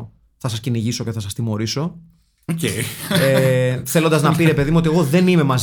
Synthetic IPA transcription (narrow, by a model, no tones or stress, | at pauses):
θɐsɐsciniʝiso̞ce̞θɐsɐst̪imo̞ɾiso̞ | oceeθe̞lo̞nd̪ɐznɐpiɾe̞pe̞ðimuot̪ie̞ɣo̞ðe̞nime̞mɐz